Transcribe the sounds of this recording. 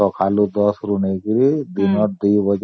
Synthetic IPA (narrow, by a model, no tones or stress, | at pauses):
ɔkʰalud̪ɔsɾunekiɾid̪inɔʈ̚d̪iːbəd͡ʒ